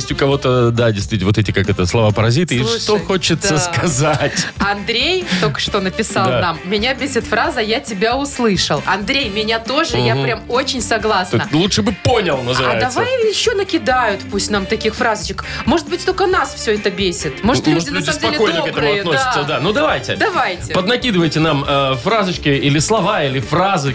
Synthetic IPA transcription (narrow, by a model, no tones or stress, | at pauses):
jesʲtʲʊkɐvo̞t̪əd̪adʲɪst̪vʲit̪ʲvot̪ɛtʲɪkakɛt̪əslˠɐvapəɾɐzʲit̪ɨʂt̪oxot͡ɕɪt̪səskɐzatʲɐnd̪ɾʲejt̪okə̥ʂt̪o̞nəpʲɪsalˠammʲɪnʲabʲesʲɪt̪fɾazəjatʲɪbʲaʊslˠɨʂəlˠɐnd̪ɾʲejmʲɪnʲat̪o̞ʐɨjapɾʲamo̞t͡ɕɪnʲsɐɡlˠasəlˠuʂɨbɨponʲɪlˠnəzɨa̰jd̪ɐvajɪɕːonəkʲɪd̪ajʊt̪pusʲtʲnamt̪ɐkʲixfɾazət͡ɕɪkmo̞ʐɨt̪̚bɨtʲt̪o̞lʲkənasfsʲɵɛt̪əbʲesʲɪt̪moʐɨt̪luʐdʲɪnlɐsʲamd̪ʲɐelʲɪkojnokɛtb̪ɨmʊɐəossɪ̥səd̪anud̪ɐvajtʲɪ̰d̪ɐvajtʲɪpəd̪nɐkʲid̪ɨvəjtʲɪnaməfɾazɨt͡ɕkʲɪilʲɪslˠɐvailʲɪfɾazɨ